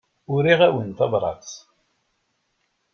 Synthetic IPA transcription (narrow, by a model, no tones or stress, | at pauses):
ʊɾiʁæwənt̪ɑbɾˤɑ̰t͡s